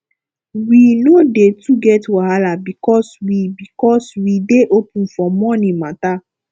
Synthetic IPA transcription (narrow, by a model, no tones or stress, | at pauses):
winodetuɡɛtuaɦalabikɔswibikɔswideʔopũfɔ̃mɔ̃nĩmãta